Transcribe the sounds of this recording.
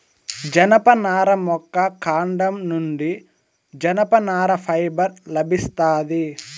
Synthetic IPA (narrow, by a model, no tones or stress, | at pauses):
d͡ʒɐnɐpɐnaːɾɐmɔkːɐkaːɳɖɐmnuɳɖi | d͡ʒɐnɐpɐnaːɾɐpʰɐjbɐɾlɐbʱist̪aːd̪i